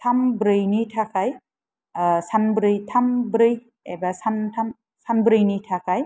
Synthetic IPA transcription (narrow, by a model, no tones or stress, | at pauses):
tʰambɾɯjnitʰakʰaj | sanbɾɯjtʰambɾɯj | ebasantʰam | sanbɾɯjnitʰakʰaj